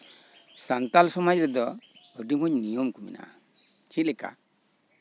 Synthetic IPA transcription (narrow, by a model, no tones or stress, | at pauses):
sant̪alsɔmad͡ʒɾɛd̪ɔəɖimɔɲnijɔmkumḭnʔa̰ | t͡ʃit̪̚lɛka̰